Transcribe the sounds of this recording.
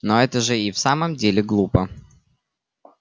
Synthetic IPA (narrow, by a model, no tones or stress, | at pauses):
noɛt̪əʐɨifsaməmdʲelʲɪɡlˠupə